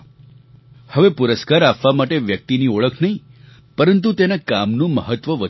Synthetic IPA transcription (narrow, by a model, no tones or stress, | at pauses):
həʋepuɾəskaɾapʋamaʈeʋjək̚t̪inioɭəkʰnəɦĩ | pəɾənt̪̬ut̪enakamnũməɦət̪ʋəʋə